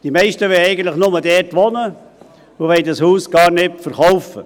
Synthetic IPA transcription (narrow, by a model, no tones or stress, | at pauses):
d̥imɛɪʃtəʋɛjɛɪɡən̩t̪ləχnʊmədɛːrtʋɔnə | ʊʋɛɪdɑshuːsɡ̥ɑːɾnɪtfəɾχɔwfə